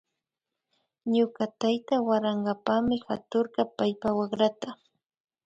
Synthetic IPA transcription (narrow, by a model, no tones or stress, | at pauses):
ɲʊkat̪ajt̪awaɾɑɴɢɑpamɪxat̪oɾɢɑpajpawɑχɾat̪a